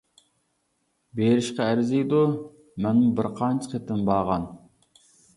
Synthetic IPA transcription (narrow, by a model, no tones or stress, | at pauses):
beɾɪʃqɑæɾɪzijd̪u | mɛnmubɪɾqʰɑnt͡ʃʰə̥qʰet̪ʰːɪnbɑːʁɑn